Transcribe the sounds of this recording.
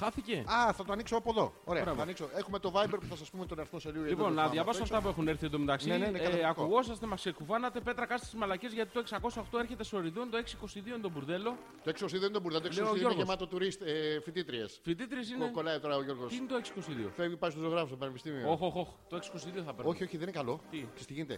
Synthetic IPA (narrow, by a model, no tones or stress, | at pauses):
xɐθice̞ɐθɐt̪oɐniksoɐpoðo̞oɾeɐbɾɐavɐniksoexumet̪o̞vɐjbeɾpuθɐs̬ɐspumet̪onɐɾiθmoselioelipo̞nːɐðʝɐvɐsoɐaft̪ɐp̬ue̞xuneɾθienðomet̪ɐksnienneɐkuɣo̞sɐst̪e̞mɐsksekuvɐnɐt̪e̞pe̞t̪ɾɐkɐst̪i̥sizmɐlɐce̞zʝɐt̪i̥t̪oksɐko̞sɐoxt̪o̞e̞ɾçe̞t̪e̞soɾiðont̪oe̞ksiko̞st̪iðioint̪obuɾðe̞lo̞ | t̪oeksikosiðioinet̪obuɾðelot̪ekseoooɾɣoemɐt̪ot̪uɾist̪fit̪it̪ɾiesfit̪it̪ɾie̞s̬inekolɐit̪o̞ɾɐoʝo̞ɾɣosinet̪oeksi̥ko̞st̪iðio̰fevipɐist̪uzoɣɾɐfost̪opɐnepist̪imiooxoxoxt̪oe̞ksi̥ko̞st̪iðioθɐpeɾoçio̞çiðeninekɐlo̞t̪ikest̪iʝinet̪ḛ